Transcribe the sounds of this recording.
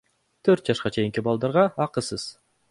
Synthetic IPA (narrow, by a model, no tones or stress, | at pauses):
t̪ʰøɾt̪̚d͡ʒɑʃqɑt͡ʃʰe̞jiŋkibɑlˠd̪ɑɾʁɑɑqɯsɯz̥